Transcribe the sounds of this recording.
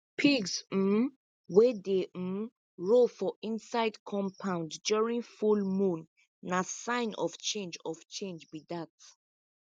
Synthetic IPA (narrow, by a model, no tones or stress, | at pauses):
pʰiɡzm̩ | wɛde | ɹofɔʔĩnsaɪdkʰɔ̃mpʰãʊ̃nddjɔɹĩnfulmũnː | asãɪ̃nʔɔ̰ft͡ʃẽnd͡ʒɔvt͡ʃẽnd͡ʒbidat